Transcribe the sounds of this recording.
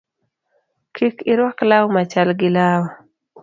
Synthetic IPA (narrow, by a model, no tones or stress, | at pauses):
kʰikɪɾwaklawmat͡ʃalɡɪlawɔ